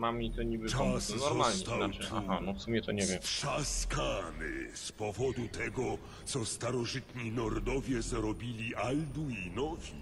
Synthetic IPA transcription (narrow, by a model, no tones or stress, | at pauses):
mamʲit̪ɔɲibɘanɔɾmalɲɛanaɛja̰ɦanɔfsumʲɛt̪ɔɲɛvjɛmʂaskanɘ̰spɔvɔd̪ut̪ɛɡɔ | t̪sɔst̪aɾɔʐɘt̪ɲinɔɾd̪ɔvʲjɛzɾɔbʲilʲiʔald̪uinɔvʲi